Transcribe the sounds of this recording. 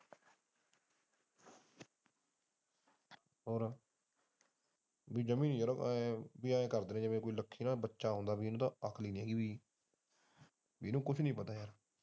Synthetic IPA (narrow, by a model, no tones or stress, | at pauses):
ɦoːɾ | biːd͡ʒəmĩːnĩːjəɾbiːãːẽːkəɾd̪eːnẽːd͡ʒəmẽːkoːiːləkʰːiːnaːbətːʃaːɦõnd̪aːbiːnũːt̪ãːʔəkʰliːnijaːɡiːbiː | biːnũːkʊt͡ʃʰnĩːpət̪aːjaːɾ